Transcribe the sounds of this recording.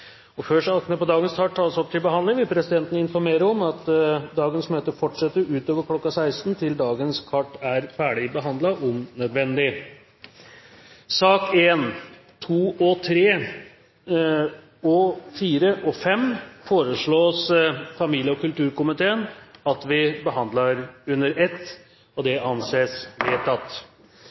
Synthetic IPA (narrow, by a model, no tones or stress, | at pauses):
ɔføʂɑknəpɔd̪ɑːɡənsk̪ʰɑʈ̪ʰːɑːəsɔp̚t̪ʰɪlbəhɑnɪŋʋɪlpʰɾɛsɪd̪ɛnt̪ənəɪnfɔɾmeːɾəɔmɑt̪d̪ɑːɡənsmøːt̪əfɔʈʂɛt̪ːəɾʉːt̪oːʋəɾkʰlɔkːɑsæɪst̪nt̪ʰɪld̪ɑːɡənskʰɑʈːæɾfæːɖɪbəɦɑnd̪lɑʔʊmnœd̪ʋɛnd̪ɪ | sɑːkeːn | t̪ʰuːɔt̪ʰɾeː | ɔfiːɾəʔɔfɛmfoːɾəʂɭoːsfɑmiːljəɔkʉlt̪ʉːɾkʊmɪt̪ʰeːənɑt̪ʋɪbəɦɑnd̪lɑɾʉnːəɾɛt̪ː | ɔd̪ɛɑnseːsʋeːt̪ʰɑt̪ː